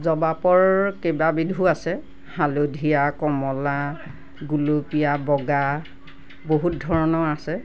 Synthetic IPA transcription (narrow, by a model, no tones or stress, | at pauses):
zɔbapɔɹkebabidʱuasɛ | halodʱijakɔmɔla | ɡulopijabɔɡa | boɦut̚dʱɔɹɔnɔasɛ